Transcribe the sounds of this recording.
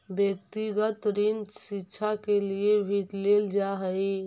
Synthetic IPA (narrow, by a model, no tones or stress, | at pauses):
bjək̚t̪iɡət̪ɾind͡ʒsikːt͡ʃʰakeliebʱiʈleld͡ʒaɦəj